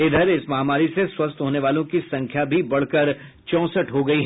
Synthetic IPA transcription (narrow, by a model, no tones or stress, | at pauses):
ɪd̪ʱəɾɪsmɐɦaːmaːɾiseswɐst̪ɦoːneʋaːlõkisɐ̃ŋkʰjabʱibɐɽ̤kəɾ | t͡ʃɔ̃ːsəʈɦoɡɐiɦː